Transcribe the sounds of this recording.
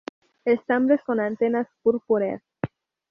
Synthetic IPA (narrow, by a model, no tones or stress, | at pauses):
est̪ãmbɾeskonant̪enaspuɾpuɾḛs